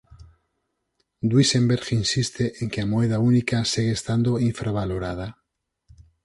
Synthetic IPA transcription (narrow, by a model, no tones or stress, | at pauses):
d̪wisẽmbeɾxinsist̪eʔeŋkeamoeð̞aunikasiɣeest̪and̪oiɱfɾaβ̞aloɾað̞a